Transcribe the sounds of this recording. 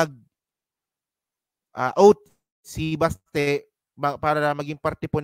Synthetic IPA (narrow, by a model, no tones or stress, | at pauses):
ɐɡ̚ | ʔaːʔowt̪̚ | sibast̪ɛ | mɐpaːɾɐlɐmɐɡɪŋpɐɾt̪ɛpon